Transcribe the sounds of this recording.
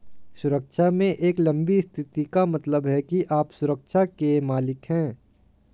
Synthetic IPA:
sʊɾəkʃamẽʔeːklɐ̃mbist̪ʰɪt̪ikamɐt̪ləbɦɛkiʔaːpsʊɾəkʃakemaːlɪkɦɛ̃ː

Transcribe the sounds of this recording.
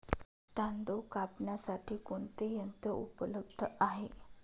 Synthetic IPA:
t̪and̪okapnasaʈʰiːkoɳt̪ejənt̪əṵpələbd̪ʱəaɦe

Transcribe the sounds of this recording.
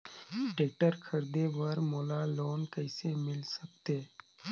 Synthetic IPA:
ʈeːk̚ʈəɾkʰəɾd̪eʋəɾmoːlaloːnkəɪsemɪlsək̚t̪eː

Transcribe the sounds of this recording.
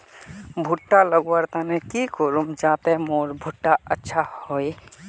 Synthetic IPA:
bʱuʈːaləɡwəɾt̪anɛkikɔɾumd͡ʒat̪emoɾbʱuʈːaətːʃʰahoj

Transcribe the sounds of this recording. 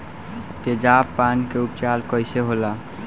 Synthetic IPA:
t̪ed͡ʒapːankeupt͡ʃalkəjseɦola

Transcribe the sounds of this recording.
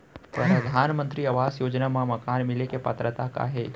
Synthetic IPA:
pɾɐd̪əd̪ʱaːnmə̃nt̪ɾiɐʋaːsjoːd͡ʒnamãmɐkaːnmɪlekepət̪ɾət̪aka̰ɦeː

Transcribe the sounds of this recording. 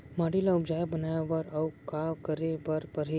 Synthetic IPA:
maɽilaubd͡ʒajabənajaʋəɾawkakəɾebəɾpəɾɦi

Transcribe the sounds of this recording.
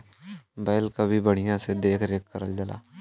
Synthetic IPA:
bɛːɪlkabʱibəɽ̤ijãsed̪eːkʰɾeːkːəɾəld͡ʒəla̰ː

